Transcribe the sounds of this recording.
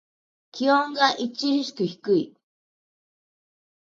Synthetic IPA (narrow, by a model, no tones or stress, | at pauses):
kʰioŋɡaʔit͡ɕːiɾiɕi̥kɯçi̥kɯi